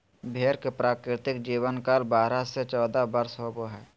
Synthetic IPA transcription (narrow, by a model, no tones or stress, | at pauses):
bʱeːɾkepɾaːkɾɪt̪ɪkd͡ʒiːʋənkaːlbaːɾaset͡ʃɔːd̪abəɾsɦoboɦɛː